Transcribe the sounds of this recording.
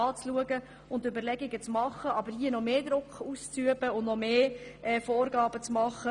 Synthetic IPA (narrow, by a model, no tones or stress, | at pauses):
ɑːt͡sluəɡə | ʊntøbəɾlɛɡɪɡət͡smɑχːəɑbəɾhiənɔmeːd̪ɾʊkχust͡syəb̥əʊndnɔmeːʔɛːfoːɾɡɑːbət͡smɑχːə